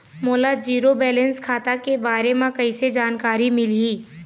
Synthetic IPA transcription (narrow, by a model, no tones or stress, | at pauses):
moːlad͡ʒiːɾobɛːlɛ̃nskʰaːt̪akebaːɾemãkɐised͡ʒaːnkaːɾimɪliː